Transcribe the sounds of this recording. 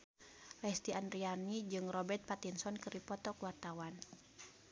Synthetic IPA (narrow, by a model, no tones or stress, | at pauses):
lɛst̪ianɾianid͡ʒɨŋrɔbɛrt̪̚pat̪insɔnkɨɾipɔt̪ɔkuwart̪awan